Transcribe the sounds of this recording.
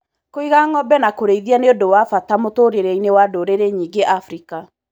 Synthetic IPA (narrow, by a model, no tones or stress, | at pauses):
koiɣaŋɔbɛnakoɾeiðianeodowafatamotoɾeɾɛinewadoɾeɾeɲiːɡeʔafɾika